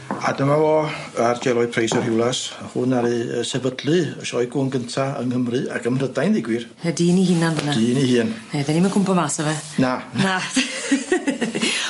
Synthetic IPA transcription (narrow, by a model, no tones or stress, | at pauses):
a̰dəmavɔːard͡ʒɛlˠɔɨpʰrejsɔr̥hɪwlˠashʊnaɾɨəsɛbədlɨəʃɔjɡunɡəntʰaə̰nhəmrɨa̰ɡəmrədajnðɪɡwɨr | ɛdiːnihɪnanðənadiːnihɨːnɛðɛnimankʰʊmpɔmaːsɔvɛnanna